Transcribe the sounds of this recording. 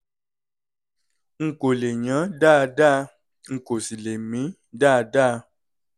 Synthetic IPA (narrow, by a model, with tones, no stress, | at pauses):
ŋ̩˨ko˨le˨ɲã˨˦da˦˨da˦˨ | ŋ̩˨ko˨si˨le˨mĩ˨˦ | da˦˨da˦˨